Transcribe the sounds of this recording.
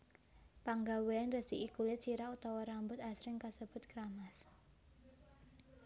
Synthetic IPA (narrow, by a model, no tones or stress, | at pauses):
paŋɡaweanrəsd̥̪iikulet͡ʃiɾaut̪awaɾambʊt̪asɾɪŋkasəb̥ʊ̤t̪̚kɾamas